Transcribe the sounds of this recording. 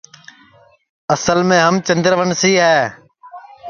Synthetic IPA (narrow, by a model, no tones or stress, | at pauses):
əsəlmẽːɦəmt͡ʃə̃nd̪ɾʋəɳsiːɦɛː